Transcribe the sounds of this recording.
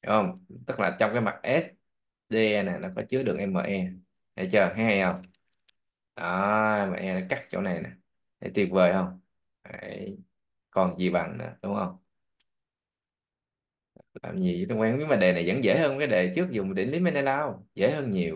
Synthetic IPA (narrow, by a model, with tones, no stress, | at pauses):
ʔə˧ŋ͡mt̪ɨ˦˥k̚laː˨˩t͡ɕɔ˧wŋ͡mkaː˨˦jma̰˨˩t̚ʔɛ˦˥t̚ | ɗe˧ɛ˧naː˨˩nɔ˨˦kɔ˨˦t͡ɕɨ˨˦əɗɨ˨˩ək̚ʔɛ˧mːa̰ː˨˩ʔɛ˧ | ha̰˧˩t͡ɕəː˨˩ɦa˨˦˥ha˧jhə˧wŋ͡m | ʔɔ˨˩ɛ˧ma̰ː˨˩ʔɛ˧nɔ˨˦ka˦˥k̚t͡ɕo̰˧˩˦na˨˩jnaː˨˩ | ɗḛ˧˩˦t̪i˨˩əp̚vəː˨˩jhə˧wŋ͡m | aː˨˩˧j | kɔ˨˩nzi˨˩ɓa˨˩ŋnɨ̰ː˧˦ɗʊ˨˦wŋ͡mhə˧wŋ͡m | t̪ɨ˦˥k̚la̰ː˨˩mɲi˨˩˨kwaː˨˦ŋmi˧˦maː˨˩ɗe˨˩na˨˩jzə̰˧˥nzə̰ː˧˥həː˧n˨˩kaː˨˦jɗe˨˩t͡ɕɨ˦˥ək̚zʊ˨˩ŋ͡mɗe˧˩˦nli˨˦me˧nɛ˧laː˧wzə̰˧˥jhəː˧nɲi˨˩əw